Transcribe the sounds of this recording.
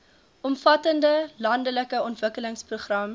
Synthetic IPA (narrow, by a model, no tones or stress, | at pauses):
ʔɔmfɐtəndəlɐndələkəɔntvəkələŋspruχrɐm